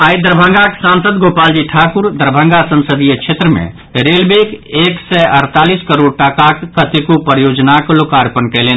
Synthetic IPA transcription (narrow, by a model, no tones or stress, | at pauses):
ajd̪əɾbʱə̃ŋɡaksãnsəd̪ɡopald͡ʒiʈʰakuɾd̪əɾbʱə̃ŋɡasə̃nsəd̪ijəkt͡ʃʰet̪ɾəmḛ̃ | ɾelbekeksɛʔəɾt̪aliskəɾoɖ̚ʈəkakːət̪ikopɾəjod͡ʒnaklokaɾpənkɛlen